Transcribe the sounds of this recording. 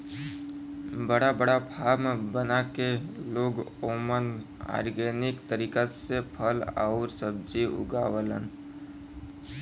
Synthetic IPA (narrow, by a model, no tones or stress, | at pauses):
bəɽabəɽapʰaːɾmbənakeloːɡoːmən | a̰ːɾɡeːnɪkt̪əɾiːkasepʰəla̰ʊɾsəb̚d͡ʒiʊ̰ɡaːwələ̰n